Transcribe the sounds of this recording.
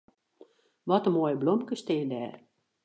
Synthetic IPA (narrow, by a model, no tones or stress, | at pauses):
ʋɔtəmoːjəblɔmkəstɪːdɛːr